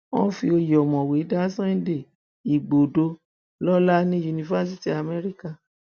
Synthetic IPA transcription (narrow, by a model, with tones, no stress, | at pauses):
wɔ̃˦fi˧o˧jɔ˨mɔ̃˨we˨˦da˦sã˦ĩ˦de˦˨ | i˨ɡ͡bo˨do˧ | lɔ˦la˦nĩ˦ju˧nĩ˧va˦s̬i˦ti˨a˨me˦ɾi˦ka˦˨